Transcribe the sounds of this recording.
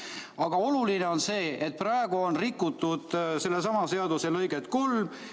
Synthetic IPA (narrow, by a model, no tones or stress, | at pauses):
ɑɡ̥ɑo̞luline̞o̞nse̞ːet̪̚prɑeɡ̥uonrikːˑut̪ːˑud̪̥se̞lːes̬ɑmɑse̞ɑd̪uselɤ̞jɡet̪ːkulm